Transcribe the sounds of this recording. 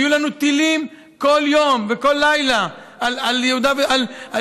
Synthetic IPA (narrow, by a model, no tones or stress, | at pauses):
julanut̪ilim | ko̞ljo̞mveko̞lːajla | ʔalaljehud̪aveala